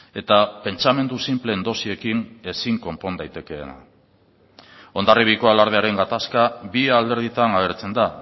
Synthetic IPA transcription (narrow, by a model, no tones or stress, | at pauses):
e̞t̪ape̞nt͡same̞nd̪usimple̞nd̪o̞sie̞kine̞siŋko̞mpo̞nd̪ajt̪e̞ke̞̰ːna̰ | o̞nd̪ariβiko̞alaɾð̞eaɾe̞ŋɡat̪askaβiald̪e̞ɾð̞it̪anaβe̞ɾt͡se̞nd̪a